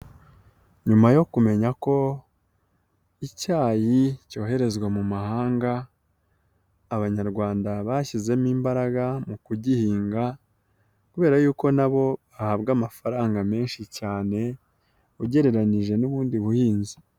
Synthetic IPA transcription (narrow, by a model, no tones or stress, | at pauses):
ɲumajo̞kume̞ɲako̞ | icaːjico̞ːɦe̞ɾe̞zɡwamumahaːŋɡa | βaɲaɾɡwaːndaβaːçize̞miːmbaɾaɡamukuɟihiːŋɡa | kuβe̞ːɾajuːko̞naβo̞βahaːb̚ɡamafaɾaːŋɡame̞ːnʃicaːne̞ | uɟe̞ɾe̞ɾaniʒe̞nuβuːndiβuhiːnzi